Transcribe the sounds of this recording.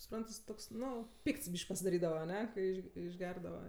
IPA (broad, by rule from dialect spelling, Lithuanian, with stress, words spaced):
sʊˈprɐnt jɪs ˈtoːks ˈnʊ ˈpʲiːkts ˈbʲiːʃʲkʲ pɐsʲɪdɐˈrʲiːdɐʋɐ ɐˈnʲɛ kɐɪ ˈɪʃ ɪʒʲˈɡʲɛrdɐʋɐ